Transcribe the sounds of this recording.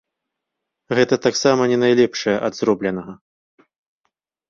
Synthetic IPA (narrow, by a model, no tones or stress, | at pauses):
ɣɛt̪ɐt̪aksamɐnʲɛnajlʲɛpʂɐjɐʔɐd̪zrɔblʲɛnɐɣɐ